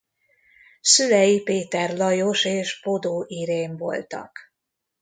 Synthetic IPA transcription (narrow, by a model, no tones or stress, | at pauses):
sylɛjipeːt̪ɛrlɒjo̞ʃeːʃbo̞d̪oːʔiɾeːɱvo̞̰lt̪ɒ̰k